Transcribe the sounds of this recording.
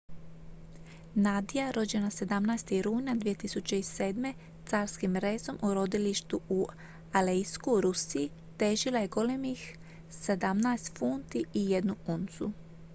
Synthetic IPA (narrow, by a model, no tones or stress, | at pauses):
nad̪ijaɾo̞d͡ʑe̞nase̞d̪amnajst̪iɾuːnad̪ʋije̞t̪isut͡ɕe̞iseːd̪me̞ | t̪saːɾskimɾe̞ːzo̞mʔuɾo̞d̪iliʃt̪uu | aleiskuɾusii | t̪e̞ːʒilaje̞ɡo̞lemix | se̞d̪amnaest̪funt̪iije̞d̪nuunt̪sṵ